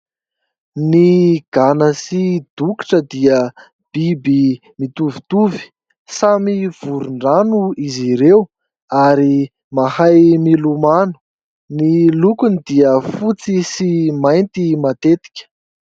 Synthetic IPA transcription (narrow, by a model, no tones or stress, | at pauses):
niɡ̥anəsid̪̥uki̥ʈ͡ʂəd̪iə | b̥ibi | mit̪uvit̪uvi̥ | samiv̥uɾuɳɖ͡ʐanuiziɾew | aɾi | mahajmilumanu̥ | nilukunid̪iəfut͡sisimajnt̪imat̪et̪i̥kʲə̥